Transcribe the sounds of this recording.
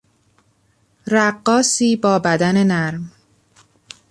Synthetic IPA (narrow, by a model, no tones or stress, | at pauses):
ɾæɢːɒːsiːbɒːbæd̪æne̞næɾm